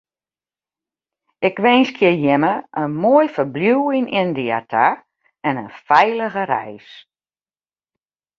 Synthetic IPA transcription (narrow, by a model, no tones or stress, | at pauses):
ɪkʋejnskʰjɪjɪməʔənmojfəbljuwinɪndia̰tʰa | ɛnənfɛjləɣəɾɛ̰js